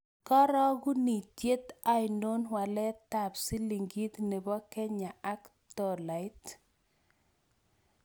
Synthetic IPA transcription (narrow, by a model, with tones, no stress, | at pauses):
kɔ˦ɾɔ˦ɡu˦ni˨tje˦t̪a˦jno˦nwa˨lɛ˦t̪a˨psi˦li˨ŋɡi˦t̪ne˨bɔ˦kɛ˦ɲa˨ʔa˦k | t̪ɔ˨la˨ɪ˦t